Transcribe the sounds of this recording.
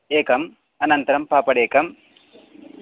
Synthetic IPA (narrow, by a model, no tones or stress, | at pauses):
eːkɐm | ɐnɐnt̪ɐɾɐmpaːpɐɽeːkɐm